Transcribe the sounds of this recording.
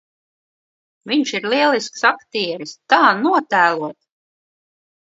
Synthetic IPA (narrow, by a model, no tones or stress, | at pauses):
viɲʃiɾliɛlˠisksakt̪iːɛɾist̪aːnuɔt̪æːlˠuɔt̪